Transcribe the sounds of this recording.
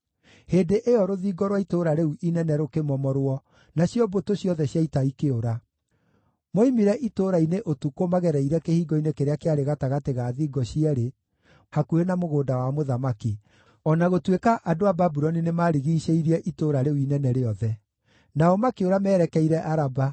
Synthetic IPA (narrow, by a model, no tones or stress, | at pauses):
heːdeʔeɔɾoðiːɡɔɾwaitoɾaɾeuʔinɛnɛɾokemɔmɔɾwɔ | naɕjɔbotoɕjɔðɛɕjaitaikeoɾa | moimiɾɛʔitoɾaineʔotukomaɣɛɾɛiɾɛkehiːɡɔinekeɾeakeaɾeɣataɣateɣaːðiːɡɔɕiɛɾe | hakuɾenamoɣoːdawamoðamaki | ɔnaɣotwekaʔadoababuɾɔninemaɾiɣiːʃeiɾiɛʔitoɾaɾeuinɛnɛɾeɔðɛ | naɔmakeoɾamɛːɾɛkɛiɾɛʔaɾaba